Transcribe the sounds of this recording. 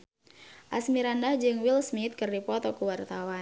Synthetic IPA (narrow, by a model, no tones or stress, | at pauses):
ʔasmiɾandahd͡ʒɨŋwilsmit̪̚kɨrdipɔt̪ɔkuwart̪awan